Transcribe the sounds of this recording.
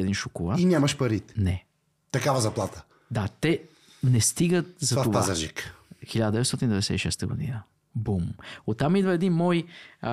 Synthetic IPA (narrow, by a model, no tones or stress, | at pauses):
ɛd̪inʃʊkʊlˠainʲamɐʃpɐɾit̪nɛ | t̪ɐkavɐzɐplˠat̪ɐ̥ | d̪at̪ɛ | nɛst̪iɡət̪̚zɐat̪ovaazɐʒikxilʲad̪əd̪ɛvɛtst̪ɔt̪ind̪vɐd̪ɛsɛ̰t̪iʃɛst̪əɡʊ̰d̪ḭnə | bumot̪ːamid̪vəɛd̪inmɔj